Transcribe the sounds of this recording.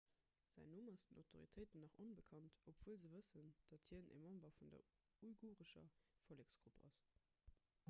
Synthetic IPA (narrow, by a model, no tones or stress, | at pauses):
z̥æɪnumɑsd̥ənɑʊtʰoʁḭtʰəɪtənɑχonbəkʰɑntopv̥uəlzəvəsənd̥ɑthiənʔḛmɑmbɐfundɐ̰ | uiɡuːʁəʃɐ̰foleksɡ̥ʁupɑ̰s